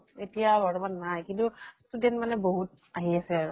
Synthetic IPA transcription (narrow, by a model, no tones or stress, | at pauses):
etijabɔɹɔbanːajkintustudɛntmanɛboɦut̚ | aɦiasɛaɹu